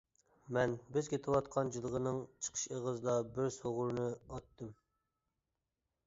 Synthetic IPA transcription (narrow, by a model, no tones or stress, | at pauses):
mɛnbɪzkʲʰet̪ʰɪwɑt̪̚qʰɑnd͡ʒɨlˠəʁənɨŋt͡ʃʰə̥qʰə̥ʃeʁəzd̪ɑbɪɾsoʁʊɾnɨɑt̪ːɨm